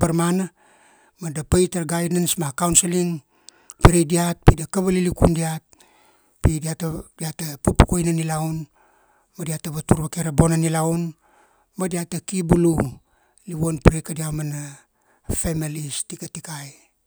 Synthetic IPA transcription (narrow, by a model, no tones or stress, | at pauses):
baɾmana | madapajtaɾɡajdansmakawnseliŋ | piɾejdiat̚pidakaβalilikundiat̚ | pidiatdiatapupukojnanilawn | madiataβatuɾbakeɾabo̞nanilawn | madiatakibulu | liwonpiɾejkadiawmana | femilistikatikaj